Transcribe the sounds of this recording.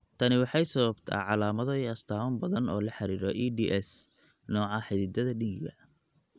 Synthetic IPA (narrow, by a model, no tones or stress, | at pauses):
t̪ʰɐnɪwɑħɑjsɐβɐbt̪ʰa̰ːʕɑlaːmɐðɐɐst̪ʰaːwʊmbɐðɐnɔːlɐħɑɾiːɾɔʔiːdiʔɛs | nɔːʕɑħɪðɪd̪ɐðɐɖɪŋkʰɐ